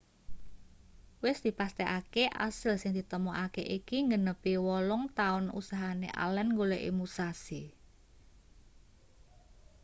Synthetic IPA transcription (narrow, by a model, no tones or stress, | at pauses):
wɪsd̪̥i̤past̪ɛʔakeʔa̰sɪlsɪŋd̪̥i̤t̪əmɔʔakḛʔikiŋɡənəpiwɔlɔŋt̪aʊnṵsaɦanḛʔa̰lɛnŋɡoleʔḭmusasi